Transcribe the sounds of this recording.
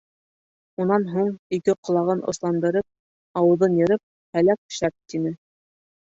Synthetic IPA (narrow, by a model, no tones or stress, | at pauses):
unɑnɦuɴikɘqŏlˠɑʁɤnʔŏ̰slˠɑnd̪ɤ̆ɾɤp̚ | ɑwɤ̆ðɤnjɤ̆ɾɤp̚ | hælæk̆̚ʃæp̚t̪inɘ